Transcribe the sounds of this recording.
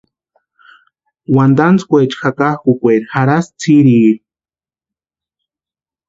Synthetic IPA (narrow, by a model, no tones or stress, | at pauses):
wand̪ant͡skʷet͡ʃxakahkukʷeɾxaɾast͡sʰiɾiːɾi